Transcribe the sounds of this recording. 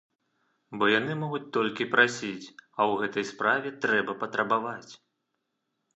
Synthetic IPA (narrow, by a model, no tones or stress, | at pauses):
bɔjanɨmɔɣut͡sʲt̪ɔlʲkʲipɾʔasʲit͡sʲɐwɣɛt̪ɐjspɾavʲɛt̪ɾɛbɐpɐt̪ɾɐbavat͡sʲ